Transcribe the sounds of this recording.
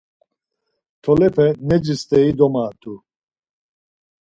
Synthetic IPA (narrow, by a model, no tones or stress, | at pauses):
t̪ʰɔlɛpʰɛnɛd͡ʒist̪ɛid̪ɔmaːt̪ʰu